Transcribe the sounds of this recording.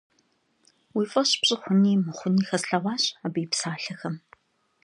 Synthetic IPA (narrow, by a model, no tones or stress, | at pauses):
wiːfʼɐɕpɕʼɪχʷʊniːmɨχʷʊniːxɐsɬɐwɑːɕʼabɨːpsaːɬɐxɐm